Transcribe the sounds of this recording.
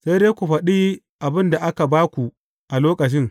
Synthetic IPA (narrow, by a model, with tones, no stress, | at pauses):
se˦jdeː˦kʷu˨ɸɐ˨ɗiː˦ | ʔa˨bɪ˦nda˨ʔa˦ka˨baː˦kʷu˨ | ʔa˨loː˦kɐ˨t͡ʃɪ˦ŋ